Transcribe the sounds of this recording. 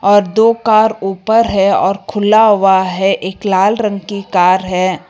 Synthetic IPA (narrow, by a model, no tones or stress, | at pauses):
ɔːɾd̪oːkaːɾuːpəɾɦɛɔːɾkʰʊlaɦʊaɦɛʔeːklaːlɾə̃ŋɡkikaːɾɦɛː